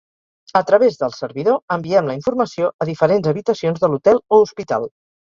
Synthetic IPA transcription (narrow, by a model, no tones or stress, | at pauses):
ət̪ɾəβezðəlˠsəɾβiðoəmbiɛmləiɱfurməsioəðifəɾenzəβit̪əsionzðəlut̪ɛlˠouspit̪a̰lˠ